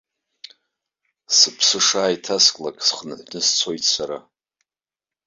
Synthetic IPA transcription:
sɨpʰsɨʂaːjtʰaskʼlakʼsχnɨħʷnɨst͡sʷʰo̞jtʰʼsaɾa

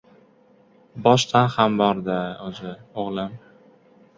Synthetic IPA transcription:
bɒʃt̪ʰanhambɒɾd̪ɪozɪoʁlˠɪm

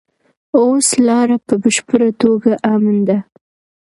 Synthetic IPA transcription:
oslɑɾapəbəʃpəɾat̪oɡaʔamand̪a

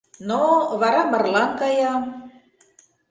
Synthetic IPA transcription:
noβɑɾɑmə̆rlɑnkɑjɑm

